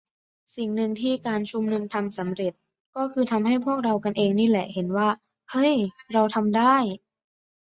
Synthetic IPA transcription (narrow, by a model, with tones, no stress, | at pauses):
si˨˩ŋnɯ˧ŋt̪ʰiː˥˩kaː˧nt͡ɕʰu˧mnu˧ŋt̪ʰa˧msa˩˦mɾe˨˩t̪̚ | kɔː˥˩kʰɯː˧t̪ʰa˧mhɦa˥˩jpʰu˥˩ək̚ɾa˧wka˧nʔeː˧ŋniː˥˩lɛ˨˩ʔhe˩˦nwaː˥˩ | hɤ˦˥˩jɾa˧wt̪ʰa˧mdaː˥˩j